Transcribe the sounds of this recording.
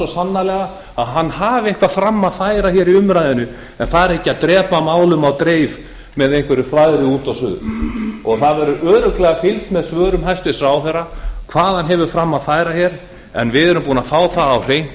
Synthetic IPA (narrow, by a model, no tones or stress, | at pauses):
ɔsanːalɛːɣa | aðɦanːɦaːvehkvafɾamːaðfaːjɾaçɛːɾiʏmɾajðɪnʏ | ɛnθaðɛɾɛhcːɪaðt̪ɾɛːpamaːwlʏmawt̪ɾeːjv | mɛðejŋ̥kvɛɾʏfɾajðɾɪuːt̪awsʏːɣðʏɔɣθaðvɛɾʏʔœːɾʏklɛɣafɪlsmɛðsvœːɾʏmɦajst̪ɪsɾaːwθɛrːakʰvaːðhanɦɛvʏfɾamːaðfaːjɾaçɛɾ | ɛ̰nvɪðɛɾʏmpuːnafaːwθaːwr̥ejn̥t̪